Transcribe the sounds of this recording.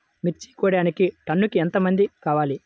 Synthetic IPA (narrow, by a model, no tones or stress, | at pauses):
miɾt͡ʃːi̥ːkuːɽaːnikiʈɐnːukient̪ɐmɐnd̪ikaːʋaːli